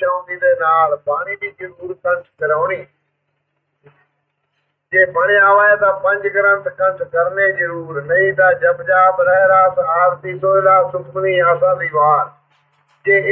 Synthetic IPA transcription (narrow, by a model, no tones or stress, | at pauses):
aːnd̪iːd̪eːnaːlbaːɳiːbiːd͡ʒəɾuːɾkənt̪kəɾəːnĩː | d͡ʒeːbaːɳɪjãːʋaːjaːt̪ãːpə̃nd͡ʒɡəɾə̃nt̪kənt̪kəɾneːd͡ʒəɾuːɾnəĩːt̪aːd͡ʒəbd͡ʒaːbɾəɦɾaːsaːɾt̪iːsoːlaːsʊbɡ̪niːãːsãːd̪iːʋaːɾ | d͡ʒeːɪ